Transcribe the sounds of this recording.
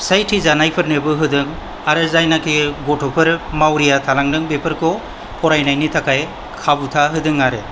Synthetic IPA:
sajtʰizanajpʰɯɾnɯbɯɦɯdɯŋ | aɾɯzajnakʰiɡɔtʰɔpʰɯɾmawɾijatʰalaŋdɯŋbepʰɯɾkʰɔ | pʰɔɾajnajnitʰakʰaj | kʰabutʰaɦɯdɯŋaɾe

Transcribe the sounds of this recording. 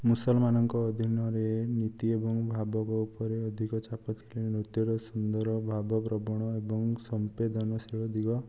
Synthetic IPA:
musɔlmanɔŋkɔːd̪ʱinɔɾenit̪iebɔŋbʱabɔkɔupɔɾeɔd̪ʱikɔt͡ʃapɔt̪ʰilenut̪jɔɾɔsund̪ɔɾɔbʱabɔpɾɔbɔɽ̃ɔebɔŋsɔmped̪ɔnɔsiɭɔd̪iɡɔ

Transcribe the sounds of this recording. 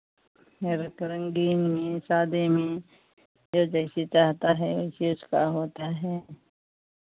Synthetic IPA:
meːɾakɐɾə̃ŋɡiːnmẽsaːd̪emẽ | d͡ʒoːd͡ʒɛːset͡ʃaːɦt̪aɦɛʊseʊskaɦoːt̪aɦɛː

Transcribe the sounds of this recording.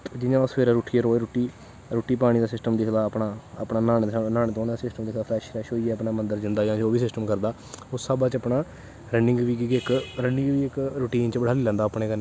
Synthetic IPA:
d͡ʒɪjãːʊsʋeːɾaːɾuːʈʰːiːɛɾoːeːɾoːʈiː | ɾuːʈːiːpaːɽ̃iːd̪aːsɪsʈəmd̪ɪkd̪aːəpnaːəpnaːnaːnːnaːneːt̪õːnːd̪aːsɪsʈəmd̪ɪkʰd̪aːfɾɛːʃɾɛːʃɦoːiɛːəpnaːmənd̪əɾd͡ʒɪnd̪aːjãːd͡ʒoːʋiːsɪsʈəmkəɾd̪aː | ʊsːaːbaːt͡ʃəpnaː | ɾənɪ̃ŋɡʋiːkiɡɪkɾənɪ̃ŋɡʋiːɪkɾʊːʈiːnt͡ʃbəɽ̤aːliːlɛ̃ːnd̪aːpɳeːkən

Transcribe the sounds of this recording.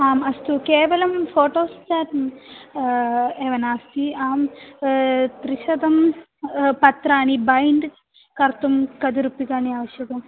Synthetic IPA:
aːmɐst̪ukeːʋɐlɐmfoːʈoːst̪aːɾɐm | eːʋɐnaːst̪iaːm | t̪ɾiʃɐd̪ɐm | pɐt̪ɾaːɳibɐjɳɖ | kɐɾt̪umkɐd̪uɾupːikaːɳiaːʋɐʃjɐk̪ɐm

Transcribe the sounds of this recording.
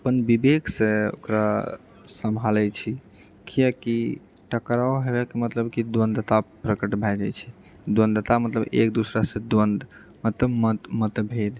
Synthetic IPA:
əpənbibekʰsẽo̰kɾa | səmbʱalɛt͡ʃʰi | kʰijəki | ʈəkɾaoɦebɛkemət̪ləbkid̪wə̃nd̪ət̪apɾəkəʈbʱɛd͡ʒajt͡ʃʰɛ | d̪wə̃nd̪ət̪amət̪ləbḛkd̪usɾasẽd̪wənd̪ | mət̪ləbmət̪mət̪bʱed̪

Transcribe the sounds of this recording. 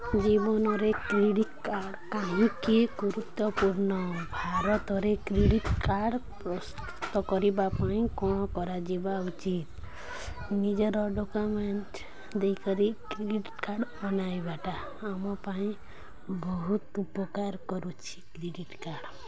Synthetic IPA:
d͡ʒibɔnɔɾekɾeɽit̪kaɾɖkaɦũkiɡuɾut̪ːɔpuɾnɔbʱaɾɔt̪ɔɾekɾiɽiʈkaɾɖ | pɾɔst̪u̥t̪ɔkɔɾibapaĩkɔɽ̃ɔ̃kɔɾad͡ʒibaut͡ʃit̪ | nid͡ʒɔɾɔɖokɔmeɳʈ | d̪ejkɔɾikɾiɖiʈkaɾɖɔnajbaʈaː | mɔpaĩ | bɔɦut̪upɔkaɾkɔɾut͡ʃʰi̥kɾiɖiʈkaɾɖ

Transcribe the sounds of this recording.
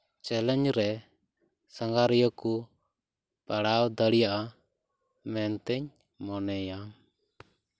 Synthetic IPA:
t͡ʃɛlɛɲd͡ʒɾɛ | səŋɡaɾijɔku | paɽawd̪əɽijaʔa | mɛnt̪ɛɲ | mɔnɛja

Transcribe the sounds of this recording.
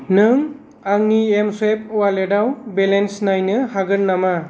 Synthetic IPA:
nɯŋ | aŋniemswep̚ʰɔwaledawbelensnajnɯhaɡɯlnama

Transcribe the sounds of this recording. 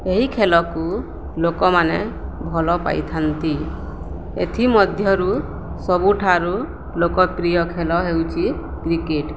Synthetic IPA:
eɦikʰelɔku | lokɔmanḛbʱɔlɔpa̰jt̪ʰant̪i | ḛt̪ʰimɔd̪ʱjɔɾu | sɔbuʈʰaɾu | lokɔpɾijɔkʰelɔɦewt͡ʃʰi | kɾikeʈ

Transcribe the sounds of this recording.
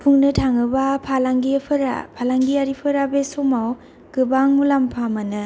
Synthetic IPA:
pʰuŋnɯtʰaŋɯbapʰalaŋɡiepʰɯɾa̰pʰalaŋɡiaɾipʰɯɾabesomaw | ɡ̥ɯbaŋmulampʰamanɯ

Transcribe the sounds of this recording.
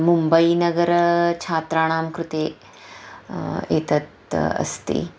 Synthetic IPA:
mumbɐinɐɡɐɾt͡ʃʰaːt̪ɾaːɽ̃aːmkɾut̪eː | eːt̪ɐt̪ | ɐ̰st̪ḛː

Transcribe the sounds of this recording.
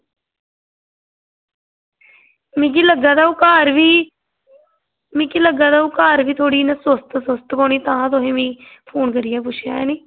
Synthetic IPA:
mĩːk̬iːləɡaːt̪aːuːkaːɾʋiː | mĩːkiləɡaːt̪aːuːkaːɾʋiːt̪ʰoːɽiːnəsəst̪səst̪koːniːt̪ãːt̪̬oɦẽːmĩːpʰoːnkəɾɪːaːp̬ʊt͡ʃʰjaːɛːniː

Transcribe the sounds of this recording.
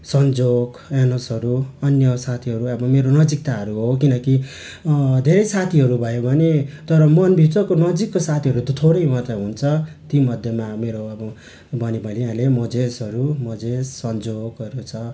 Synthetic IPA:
sʌnd͡zoɡ | enʌsʌɾuʌnjʌsat̪ʰiɦʌɾuʌbʌmeɾonʌd͡zik̚t̪aɦʌɾuɦokinʌki | d̪ʱeɾʌjsat̪ʰiɦʌɾubʱʌjobʱʌnet̪ʌɾʌmʌnbʱit͡sʌkonʌd͡zikːosat̪ʰiɦʌɾut̪ʌt̪ʰoɽʌjmʌt̪aɦunt͡sʰʌt̪imʌd̪ʱjʌmameɾoʌbʌ | bʱʌnibʱʌlealemʌd͡zesʌɾumʌd͡zesːʌnd͡zoɡʌɾut͡sʰʌ

